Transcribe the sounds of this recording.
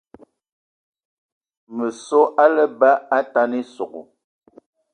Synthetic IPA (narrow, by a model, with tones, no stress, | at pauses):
mə˨sɔ˦ʔa˦lə˦ba˦a˦ta˦ni˦so˨ko̰˨